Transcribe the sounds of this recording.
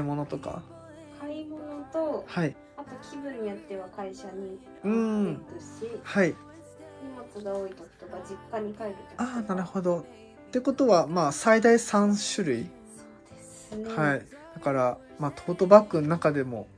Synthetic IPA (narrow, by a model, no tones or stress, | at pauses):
imo̞no̞t̪o̞ka̰ | kʰaimo̞no̞t̪o̞hai | at̪o̞kʲʰibɯ̟̃ɲ̟ːijat̪ːe̞βakaiɕaɲ̟i | ɯ̟̃ːd̪eɕihai | omakɨɡaoːit̪oko̥t̪obad͡ʑikːaɲ̟ikaet̪et̪oaːnaɾɯ̟ho̞d̪o̞ | t̪e̞ko̞t̪o̞βamaːsaid̪aisãɰ̃ɕɨɾɯ̟i | e | snhai | d̪̥akaɾa | maːt̪ʰo̞ːt̪o̞bakːɯnnːakad̪e̞mo̞̰